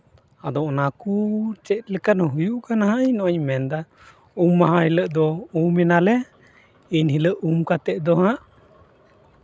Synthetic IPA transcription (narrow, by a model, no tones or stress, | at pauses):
ad̪ɔʔnakut͡ʃɛt̪̚lɛkanɔɦujuʔkanaɦaʔiɲnɔʔɔɲmɛnd̪a | umːaɦãhiləʔd̪ɔumɛnalɛ | iɲhiləʔumkat̪ɛʔd̪ɔɦãʔ